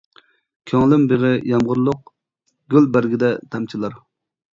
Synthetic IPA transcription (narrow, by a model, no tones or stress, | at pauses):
kʲʰøŋlˠɪmbeʁɪjɑmʁʊɾlˠʊq̚ | ɡʲylbæɾɡʲid̪ɛt̪ʰɛmt͡ʃʰilˠɑɾ